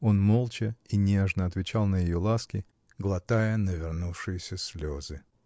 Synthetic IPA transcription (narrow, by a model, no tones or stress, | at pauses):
o̞nmo̞lˠt͡ɕɪinʲeʐnəɐt̪vʲɪt͡ɕalˠnəjɪjolˠaskʲɪ | ɡlˠɐt̪ajənəvʲɪrnufʂɨjɪsʲəsʲlʲozɨ